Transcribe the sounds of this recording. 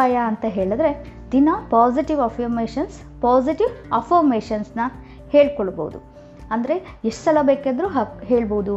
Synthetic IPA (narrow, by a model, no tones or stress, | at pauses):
aːjɐːnt̪ɐɦe̞ːɭɐd̪ɾe̞ | d̪inɐpaːziʈiʋɐfɐɾmeːʃɐns | paːziʈiʋɐfɐɾmeːʃɐnsnɐ | he̞ːɭkoɭɐboːud̪ṵ | ɐnd̪ɐɾe̞ | eʂʈsɐlɐbeːked̪ɾuɦɐɦeːɭboud̪u